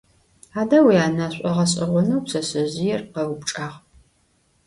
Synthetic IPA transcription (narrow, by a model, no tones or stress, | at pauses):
aːdɐwiaːnaɕʷʼɐʁɐɕʼɐʁʷʊnɐwpsɐɕɐʑɪjɛrqɐwpʈ͡ʂʼaːʁ